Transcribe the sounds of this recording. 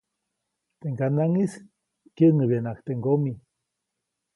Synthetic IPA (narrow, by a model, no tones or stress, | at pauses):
t̪eŋɡanaŋis | kjəŋəβjenakt̪eŋɡomi